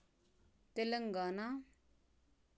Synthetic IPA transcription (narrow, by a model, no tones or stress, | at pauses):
t̪eləŋɡana